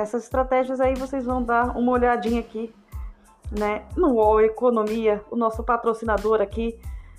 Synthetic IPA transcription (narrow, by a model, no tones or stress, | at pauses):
ɛsɐzɪ̥st̪ɾat̪ɛʒiɐzaivosejzvɐ̃w̃d̪aɾṵ̃mɐoʎad͡ʒĩɲɐaki | nɛnʊɔwekonõmiɐʊnɔsʊpat̪ɾosinad̪oɾaki